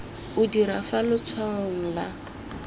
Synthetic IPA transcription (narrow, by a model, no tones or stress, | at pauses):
ʊdiɾafalʊt͡sʰwaʊŋ̩la